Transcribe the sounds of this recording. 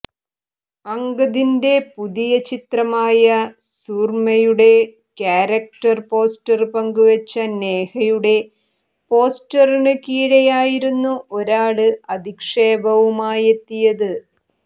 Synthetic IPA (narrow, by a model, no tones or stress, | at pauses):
ɐŋɡɐðinde̞puðijɐt͡ɕit̪rɐmaːjɐ | suːrmɐjuɽe̞ | kjaːɾɐk̚ʈɐrpo̞ːstɐrpɐŋɡuʋɐt͡ɕːɐne̞ːhɐjuɽe̞ | po̞ːstɐriɳɨkiːɻejaːjiɾunːuʔo̞ɾaːɭɨɐd̪ʱikʂeːbɐʋumaːje̞t̪ːijɐðɨ